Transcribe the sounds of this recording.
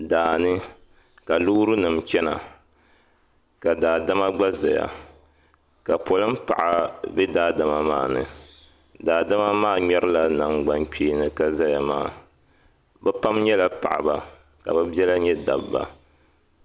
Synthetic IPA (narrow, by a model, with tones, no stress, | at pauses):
daː˨nɨ˦ | ka˨lu˦ɾɨ˦nɨ˨mt͡ʃɛ˦na̰˨ | ka˨daː˨da˦ma˦ɡ͡ba˦za˨ja̰˨ | ka˨po˨lɨ˦m̩˦pa̰˨ʔa˦bɛ˦daː˦da˨ma˦maː˦˨nɨ̰˨ | daː˨da˦ma˦maː˦˨ɲɛ˦ɾɨ˦la˦na˨ŋɡ͡ba˦nk͡pʲiː˦nɨ˨ka˦za˦ja˨maː˦˨ | bɛ˦pa˦mɲɛ˦la˦pa̰˨ʔa˨ba˦ | ka̰˨bɛ˦bi˦ɛ˦la˦ɲɛ˦da̰˨bba̰˦